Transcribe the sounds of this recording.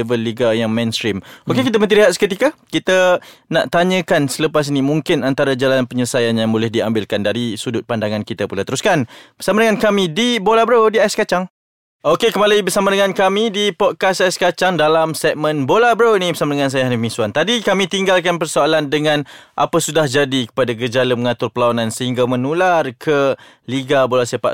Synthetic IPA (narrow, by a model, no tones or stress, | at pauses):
vəlːiɡajaŋmẽnst̪ɾimokekit̪̬əmənt̪iɾiɦat̪sə̥kət̪ikakit̪ana̰ʔt̪aɲə̃kansələpas̬inimũŋkɪnant̪aɾad͡ʒalanpəɲələsajanjaŋbolɛhdiambɪlkandaɾisudʊt̪̚pandaŋankit̪apulat̪əɾuskanb̥ərsamadəŋankamĩdibolabɾowdiajaskat͡ʃaŋ | ʔokekəmalaibərsamadəŋankamĩdipɔt̪̚kasajskat͡ʃaŋdalamsɛk̚mə̃nbolabəɾownĩbərsamadəŋãns̬ajaɦanəmĩsuant̪adikamĩt̪iŋɡalkanpərsoalandəŋãnʔa̰pasudahd͡ʒadikə̥padaɡəd͡ʒalaməŋat̪ʊrpəlawanansəɦiŋɡamənularkʰə | liɡabolasapa̰ʔ